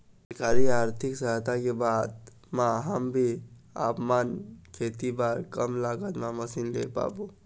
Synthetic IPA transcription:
kaːɾiaːɾt̪ʰɪksəɦt̪ʰakebaːd̪ | mãɦəmbʱia̰ːpmaːnkʰeːt̪ibaːɾkəmlaːɡət̪mãməsinlepa̰ːbuː

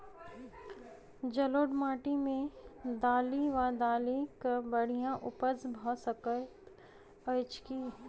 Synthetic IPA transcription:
d͡ʒɐloːɖmaːʈimẽd̪aːliʋad̪aːlikəbɐɽ̤ijãʔʊpəzbʱɔsəkə | ət͡ʃkiː

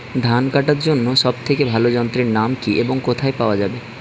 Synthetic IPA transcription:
d̪ʱankaʈaɾd͡ʑonːoʃɔb̚t̪ʰekebʱalod͡ʑɔnt̪ɾeɾnamkiʔeboŋkot̪ʰaepaoad͡ʑabe

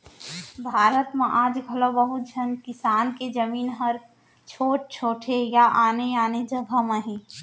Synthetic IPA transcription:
bʱaːɾət̪mẽʔaːd͡ʒɡʱɐlobəɦut̪̚d͡ʒʱənkɪsaːnked͡ʒəmiːnɦəɾ | t͡ʃʰoːʈ̚t͡ʃʰoːʈʰejaʔaːneaːned͡ʒəbʱəməɦĩ

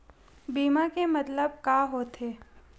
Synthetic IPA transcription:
biːmakemɐt̪ləb̚kaːɦot̪eː

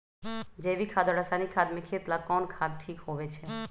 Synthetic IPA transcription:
d͡ʒebikʰad̪ɔɽasanikʰad̪mekʰet̪lakɔnkʰad̪ʈʰikhobet͡ʃʰe

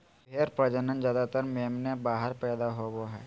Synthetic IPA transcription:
bʱeːɾpɾəd͡ʒənənd͡ʒjaːd̪at̪əɾmeːmnebaːɦəɾpɛːd̪aɦoboɦɛː

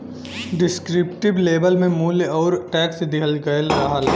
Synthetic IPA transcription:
ɖɪskɾɪpʈɪbleːbəlmẽmuːlɔːɾʈɛːksd̪ɪɦəlɡɐelɾaɦal

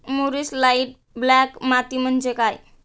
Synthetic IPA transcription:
muɾislajiʈ̚ | blakmat̪im̤ənt͡ʃekaj

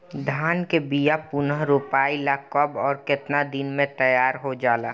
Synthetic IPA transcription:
d̪ʱaːnkebijapʊnəɦɾupaːilakɔbɔːɾkɪt̪nad̪inmẽt̪əjaːɾɦod͡ʒaːlaː

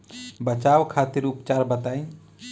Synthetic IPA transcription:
bət͡ʃawkʰat̪iɾupt͡ʃaɾbət̪aj

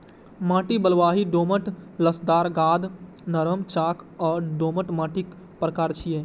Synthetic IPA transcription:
mãːʈibəlʋaːɦiɖoːməʈləsd̪aːɾɡaːd̪ | nəɾəmt͡ʃaːkʰɔːɾɖoːməʈmãːʈik | pɾəkaːɾt͡ʃʰije

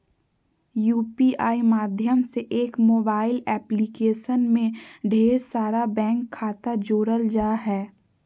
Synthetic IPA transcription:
juːpiaːimaːd̪ʱjəmseʔeːkmoːbaːɪlɛːplikeːʃənmẽɖʱeːɾsaːɾabɛ̃ːŋkʰːaːt̪ad͡ʒoːɾəld͡ʒaːɦɛː

